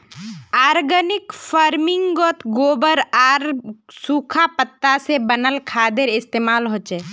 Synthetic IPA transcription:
aːɾɡənɪkfʰaːɾmɪŋɡɡɔt̪ʰɡoːbəɾaːɾsuːkʰapət̪ːasebənəlkʰaːd̪eɾɪst̪eːmaːlɦoːt͡ʃeː

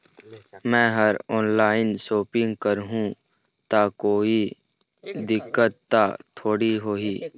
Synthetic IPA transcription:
mɛ̃ːɦɐɾɔːnlaːɪnsoːpɪ̃ŋɡkəɾɦũ | t̪akoːi | d̪ɪkːət̪ːat̪ʰoːɽiɦoːiː

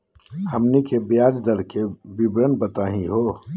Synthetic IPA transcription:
həmnikebjaːd͡ʒd̪əɾkebibɾənbət̪aːɦĩɦo

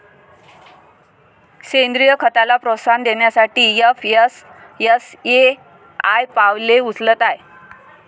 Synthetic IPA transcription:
ɕend̪ɾijəkʰət̪alapɾosand̪eɳjasaʈiːjəfjəs | jəse | ajpaʋleut͡slət̪aj

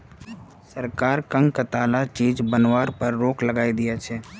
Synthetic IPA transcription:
sɐɾkaːɾkə̃ŋkɐt̪aːlat͡ʃiːd͡ʒbənwaːɾpɐɾːoːklɐɡaːid̪ɪjat͡ʃʰɛː

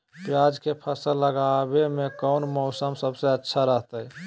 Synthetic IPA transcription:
pjad͡ʒkepʰəsəllːəɡabemekəʊnmɔʊsəmsəbseətːʃʰaɾəɦt̪əj

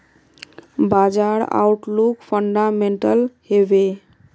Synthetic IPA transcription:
bad͡ʒaɽa̰uʈlukpʰəɳɖameɳʈəlhebe

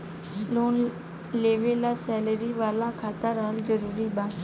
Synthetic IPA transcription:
loːn | leːʋelasɛːləɾiʋaːlãkʰaːt̪aɾəɦəlzəɾuːɾiːbãː

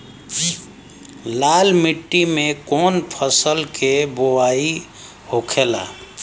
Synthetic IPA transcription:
lalmiʈːimekɔnpʰəsəlkebowai | hokʰela̰

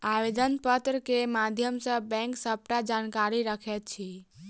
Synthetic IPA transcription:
awed̪ənpət̪ɾəkemad̪ʱjəmsə̃bɛ̃ŋksəp̚ʈad͡ʒankaɾiɾəkʰɛt̪̚t͡ʃʰi

